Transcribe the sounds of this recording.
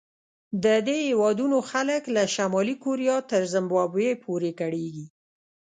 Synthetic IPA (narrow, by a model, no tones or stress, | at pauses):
d̪əd̪ehewɑd̪unoxaləklaʃamɑlikoɾijɑt̪əɾzɪmbɑbepʰoɾekaɽeɡi